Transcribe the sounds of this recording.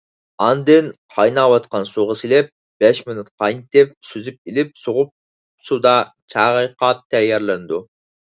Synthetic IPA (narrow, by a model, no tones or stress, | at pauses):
ɑnd̪ɨnqʰɑjnɑwɑt̪qɑnsuʁɑsilɛp̚ | b̥ɛʃmɪnut̪qʰɑjnt̪ɪp̚syzyp̚ilɪp̚soʁʊp̚ | sud̪ɑ | t͡ʃʰɑʁɨjqɑt̪ʰːɛjːɛɾlɛnd̪u